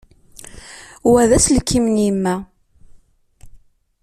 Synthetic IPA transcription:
wæðæslkʰːimnimːæ

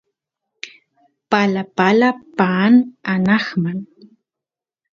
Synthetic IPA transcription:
palapalapaːnanɑχman

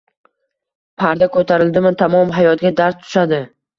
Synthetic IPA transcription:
pʰaɾd̪akʰɵt̪ʰaɾɪld̪ɪmɪt̪ʰamɒmɦajɒt̪̚ɡʲad̪aɾst̪ʰʊ̥ʃad̪ɪ

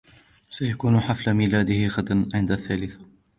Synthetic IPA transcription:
sajakuːnħaflamilaːd̪ɪhɪɣad̪anʕɪnd̪aθːaːlɪθḁ

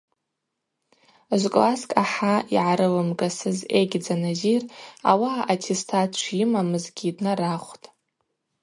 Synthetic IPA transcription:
ʒʷkʼlaskʼaħaiʕaɾɨlɨmɡasɨzejɡʲd͡zanazira̰waːtʰestʰatʰt͡ʃʷʰjɪmamɨzɡʲidnɨɾaχʷtʼ

